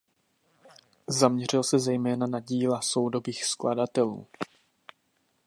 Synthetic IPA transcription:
zamɲɛr̝ɪlsɛzɛjmɛːnanaɟiːlaso̞wdo̞viːxskladat̪ɛlṵː

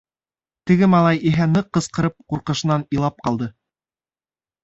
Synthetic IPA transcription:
t̪ɘ̆ɡɘmɑlˠɑjiɦænɤqːɤ̆sqɤ̆ɾɤp̚quɾqɤ̆ʃɤ̆nɑnilˠɑp̚qɑlˠd̪ɤ

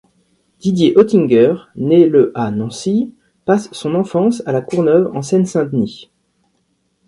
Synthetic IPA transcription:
d̪̥id̪jeʔɔt̪ĩŋɡœʁneləʔanɑ̃si | pasːɔ̃nɑ̃fɑ̃salakuʁnœvɑ̰̃sɛnsɛ̃d̪ni

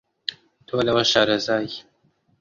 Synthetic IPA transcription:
t̪ʰolawaʃɑːɾazɑːj

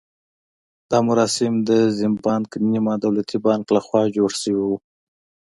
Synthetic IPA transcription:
d̪̥ɑmʊɾɑsɪmd̪əzɪmpɑnknimɑd̪awlat̪ʰibɑŋklaxwɑd͡ʒoɽsəwiwu

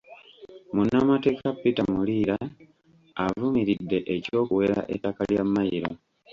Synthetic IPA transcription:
munːamate̞ːkapːitamuliːɾaː | vumiɾidːe̞ʔeco̞ːkuwe̞ɾa̰ʔetːakaljamːajiɾo

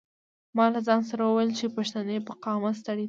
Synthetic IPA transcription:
mɑlazɑns̬aɾawəwajelt͡ʃepaʃt̪anepaqɑmas̬t̪aɽi

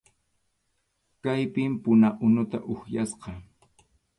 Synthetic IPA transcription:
kajpɪmpʊnaʔʊnʊt̪a̰ʔʊhjasqɑ

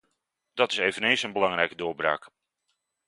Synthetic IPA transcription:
d̥ɑtɪsejvənejnsənbəlɑŋrɛjkədʊːɹbra̰ːk

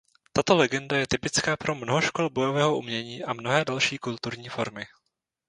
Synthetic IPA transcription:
t̪at̪o̞lɛɡɛndajɛt̪ɪpɪt͡skaːpɾo̞mnoɦoʃko̞lbo̞jo̞vɛːɦoʔumɲɛɲiːʔamno̞ɦɛːdalʃiːkult̪uɾɲiːfo̞ɾmɪ

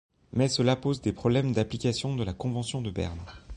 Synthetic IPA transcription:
mɛsəlapozd̪epχɔblɛmd̪aplikʲasjɔ̃d̪əlakɔ̃vɑ̃sjɔ̃d̪əbɛ̰ʁn

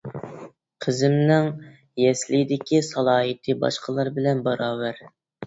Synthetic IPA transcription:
qʰəzɪmnɪŋ | jɛslɪd̪ɪkʲʰisɑlˠɑːɦɨt̪ʰɨbɑ̰ʃqʰəlˠɑɾbɪlɛnbɑɾɑːwæɾ

